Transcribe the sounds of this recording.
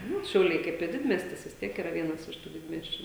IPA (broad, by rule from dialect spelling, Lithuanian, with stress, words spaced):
ˈnʊ ʃʲɛʊˈlʲɛɪ ˈkɐɪp ɪ ˈdʲɪdʲmʲiɛsʲtʲɪs ʋʲɪs ˈtʲiɛk ɪˈrɐ ˈʋʲiɛnɐs ɪʃ tuː ˈdʲɪdʲmʲiɛsʲt͡ʃʲʊ